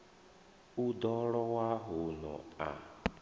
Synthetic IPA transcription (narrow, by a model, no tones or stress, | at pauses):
udɔɾɔwaɦʊnɔ̰a̰